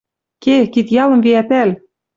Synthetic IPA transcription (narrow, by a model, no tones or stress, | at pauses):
kekit̪jɑlˠɤ̆mviæpæl